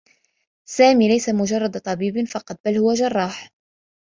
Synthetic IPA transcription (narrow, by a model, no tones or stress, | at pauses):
saːmiːlajsamʊʒɑrˤːɑd̪t̪ˤɑbiːbnfɑqɑt̪̚ˤbalhʊwaʒɑrˤːɑːħ